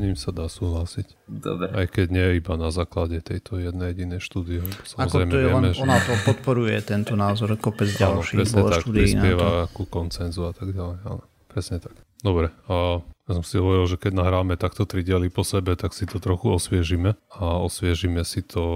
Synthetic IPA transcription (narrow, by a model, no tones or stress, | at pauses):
ɲimsad̪aːsuːɦlasicd̪ɔ̰bɾɛajkɛɟɲɪɛjɛibanazaːklaɟɛt̪ɛjt̪ɔjɛd̪nɛjɛɟinɛjʃt̪uːd̪iɛlɛbɔ̥samɔzɾɛjmɛɛɛmɛʒɔnat̪ɔpɔt̪pɔɾujɛt̪ɛnt̪ɔnaːzɔɾkɔpɛd͡zanlɔʃiɾɛsbɲɛt̪ʃakt̪uːd̪ɾisnɪɛʋakukɔnt͡sɛnzuat̪aɡɟalɛja̰nɔ | pɾɛsɲɛt̪ḁk | d̪ɔbɾɛ | jas̬ɔmsiɦɔʋɔɾilʒɛkɛɟnaɦɾaːmɛt̪akt̪ɔt̪ɾiɟɪalipɔsɛbɛt̪aksit̪ɔt̪ɾɔxuɔsʋɪɛʒimɛaɔsʋɪɛʒimɛsit̪ʰɔ